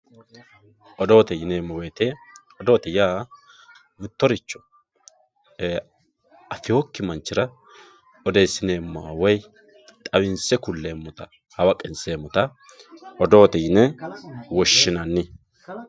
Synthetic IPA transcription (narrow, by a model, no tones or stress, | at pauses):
ʔɔd̪oːt̪ɛjɪneːmːɔweːt̪e | ɔd̪o̞ːt̪ɛjaː | mɪt̪ːɔɾɪt͡ʃːɔ̥ | ɐfɪhokːɪmɐnt͡ʃːɪɾɐ | ɔd̪e̞ːsːɪneːmːɔɐ̰wɔj | t̪ʼɐwɪnsɛkʊlːeːmːʊt̪ɐ | hɐwɐkʼɪnseːmːɔt̪ɐ | ɔd̪o̞ːt̪ɛjɪnɛwɔʃːɪnɐnːɪ